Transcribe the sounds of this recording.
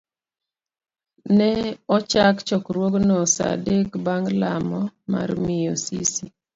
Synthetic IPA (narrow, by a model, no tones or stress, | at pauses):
nɛɔt͡ʃakt͡ʃɔkɾwoɡnɔsa̰dekbaŋlamɔma̰rmɪjosisi